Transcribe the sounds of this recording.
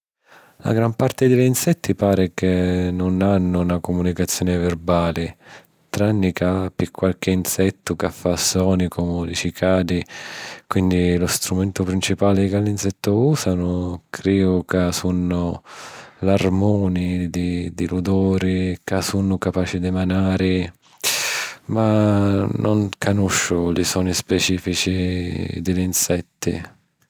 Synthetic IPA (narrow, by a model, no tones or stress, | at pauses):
la̰ɡɾampart̪ɪd̪ɪlinsɛt̪ːipaːɾɪkenːʊnanːʊnakʊmunikat̪sːjɔːnɪvɪrbaːlɪ | t̪ɾanːikapikʰːwalk̟ɪinsɛt̪ːʊkafːasːɔːnikʊmud̪ifikʰaːd̪ikwind̪ilʊst̪ɾumɛnt̪ʊpɾint͡ʃipaːlɪkalːinsɛt̪ːʊuːsanʊkʰɾiːʊkasunːʊ | larmɔːnɪd̪ɪd̪ɪlud̪ɔːɾɪkasunːʊkapaːt͡ʃɪd̪ɪmanaːɾɪ | manʊŋkanuʃːʊlɪsɔːnispɛt͡ʃiːfit͡ʃid̪ɪlinsɛt̪ːɪ̰